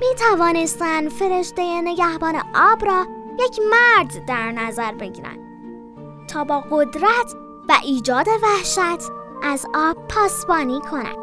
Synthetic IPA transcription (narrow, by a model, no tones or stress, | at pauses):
miːt̪ʰævɒːne̞st̪ænd̪fe̞ɾe̞ʃd̪ejene̞ɟæhbɒːne̞̰ʔɒːbɾɒːjecʰmæɾd̪ːæɾnæzæɾbe̞ɟḭːɾæ̰nd̪̥ | t̪ʰɒːbɒːɣo̞d̪ɾæt̪ʰ | væʔiːd͡ʒɒːd̪e̞væhʃæt̪ʰʔæzɒːb̥̚pʰɒːsbɒːniːkʰo̞næ̰nd̪̥